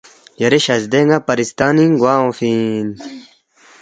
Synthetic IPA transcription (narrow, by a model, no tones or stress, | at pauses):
jɐɾeɕɐzd̪eŋɡapɐɾist̪aːniŋɡwaːõfin